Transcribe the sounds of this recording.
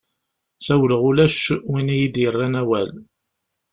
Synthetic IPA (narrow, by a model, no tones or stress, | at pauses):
θæwləʁʊlæʃwinijid̪jərˤːænæwæl